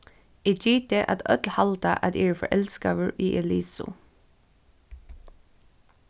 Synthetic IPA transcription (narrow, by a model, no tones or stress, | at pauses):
iːd͡ʒiːt̪əʔɑ̰t̪œt̪lhɑlt̪ɑʔɑt̪eːfɔ̰ʔɛlskɑ̰ːʋəɹʔiːʔɛliːsʊ̰